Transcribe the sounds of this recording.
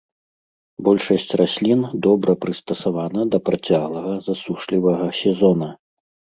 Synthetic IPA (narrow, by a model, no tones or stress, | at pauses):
bɔlʲʂɐsʲt͡sʲrasʲlʲind̪ɔbɾɐpɾɨst̪ɐsavanɐd̪ɐpɾat͡sʲaɣlˠɐɣɐzasuʂlʲivɐɣɐsʲɛzɔnɐ